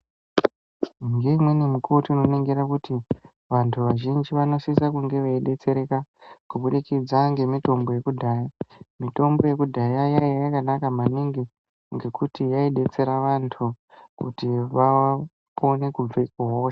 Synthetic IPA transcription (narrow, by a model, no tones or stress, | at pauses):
ŋɡe̞imwe̞nemukʰotiinoneŋɡeɾakuti | ʋantʰuʋaʒind͡ʒiʋano̞sisakuŋɡe̞ʋaiɗe̞t͡se̞ɾe̞kakuɓuɗikid͡zaŋɡe̞mito̞mbo̞je̞kudʱaːjamito̞mbo̞je̞kudʱajajaiajakanakamaniŋɡi | ŋɡe̞kutijaiɗe̞t͡se̞ɾaʋantʰu | kṵtiʋa | pʰo̞ne̞kub͡vekuɦoːʃḁ